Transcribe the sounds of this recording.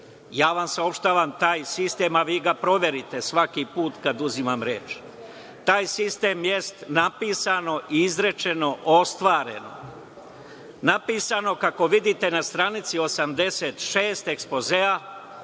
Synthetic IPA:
jaːʋamsao̞pʃt̪aʋamt̪aːjsist̪eːmaʋiːɡapɾo̞ʋe̞ɾit̪e̞sʋakipuːt̪kad̪uzimamɾḛːt͡ʃ | t̪aːjsist̪e̞ːmjest̪napiːsano̞ʔiizɾe̞t͡ʃe̞no̞ʔost̪ʋaːɾe̞̰no̞̰ | napiːsano̞kako̞ʋid̪it̪e̞nast̪ɾanit̪sio̞samd̪e̞set̪ʃeːst̪e̞ksplo̞zea

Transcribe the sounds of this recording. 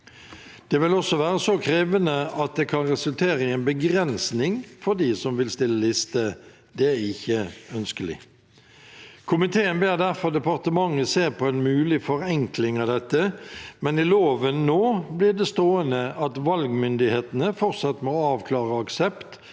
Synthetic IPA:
d̪̥ɛʋɪlɔsɔʋæːʁəsɔkʰɾeːʋənəɑt̪̚d̪ɛkʰɑnʁɛsʉlt̪ʰeːɾəɪɛɪnbəɡɾɛnsnɪŋfɔd̪isɔmʋɪlst̪ɪlːəlɪst̪ə | d̪̥ɛæʁɪçːəœnskəlɪ̰ | kʰʊmɪt̪ʰeːənbeːɾd̪æʁfɔʁd̪ɛpɑʁt̪əmɑŋːəseːʁpʰɔɛnmʉːlɪfɔɾɛŋklɪŋɑʋd̪ɛt̪ːəmɛnɪloːʋənːoːblɪːd̪ɛst̪oːənəɑt̪ʋɑlɡmʏnd̪ɪheːt̪ənəfɔʁt̪sɑt̪ːmɔɑːʋkʰlɑːʁəɑksɛpt̪

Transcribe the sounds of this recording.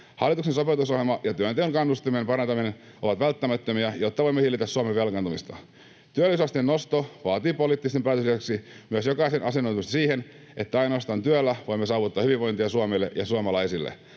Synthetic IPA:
hɑlːˑit̪uksensopet̪usohelmɑjɑt̪yønt̪eoŋkɑnːust̪iminempɑɾɑnt̪ɑminen | oʋɑt̪ʋælt̪ːæmæt̪ːømiæjot̪ːɑʋo̞imːehilːit̪æssuɑmeʋʋelkɑnt̪umist̪ɑ̰ | t̪yælːisɑst̪ienːost̪oʋɑːt̪iːpoliːt̪ːist̪empæːt̪øsisæksimyøsjokɑisenʔɑsenːont̪umust̪ɑsiːhen | ʔet̪ːæɑinoɑst̪ɑːnt̪yølːæʋo̞imːesɑːʋut̪ːɑhyʋiʋʋoint̪iɑsuɑmeːlːḛʔjɑsuɑmɑlɑisilːḛ

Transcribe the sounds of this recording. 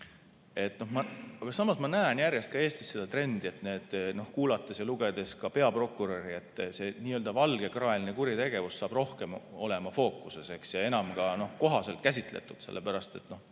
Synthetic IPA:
e̞t̪ːˑno̞hmɑɑɡ̥ɑsɑmɑsmɑnæenjærje̞st̪̚kɑe̞ːst̪i̥sːe̞d̪̥ɑt̪re̞nd̪̥ie̞t̪ne̞ːd̪̥no̞hkuːlɑt̪ːˑesjɑluɡ̥e̞d̪̥e̞skɑpe̞ɑpro̞kːˑuɾo̞ɾie̞t̪ːˑse̞niːøːld̪̥ɑvɑlɡ̥ekrɑelinekuɾit̪e̞ɡe̞vussɑːb̥ro̞hke̞mo̞le̞mɑfo̞ːkˑuse̞se̞ksjɑe̞nɑmɡ̥ɑno̞hko̞ɦɑse̞lt̪̚kæs̬ʲit̪ˑlḛt̪ːˑud̪̥se̞lːepæɾɑst̪e̞t̪ːno̞h

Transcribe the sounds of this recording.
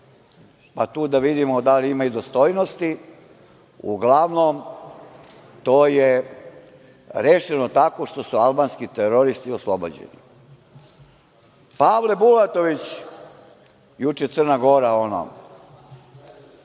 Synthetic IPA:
pat̪uːd̪aʋid̪imod̪aliimaid̪ost̪ojnost̪i | ṵɡlaʋnom | t̪oːje | ɾeʃenot̪ako̞ʃt̪o̞sualˠbaːnskit̪eɾoɾist̪ioslˠobo̰d͡ʑḛnḭ | paːʋle̞bulat̪o̞ʋit͡ɕ | jut͡ʂet̪sɨr̩naɡo̞ɾaono̰

